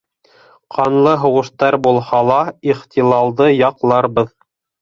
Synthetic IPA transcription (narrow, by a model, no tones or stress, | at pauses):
qʰɑnlˠɤɦŏwɤ̆ʃt̪ɑɾbulˠhɑlˠɑiχt̪ilˠɑlˠd̪ɤjɑqlˠɑɾbɤð